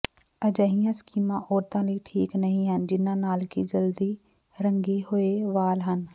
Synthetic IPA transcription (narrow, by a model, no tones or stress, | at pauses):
əd͡ʒəɦijãːskiːmãʔɔːɾt̪ãliːʈʰiːknəɦĩɦənd͡ʒɪnãnaːlkid͡ʒəld̪i | ɾə̃ŋɡehʊeʋaːlɦən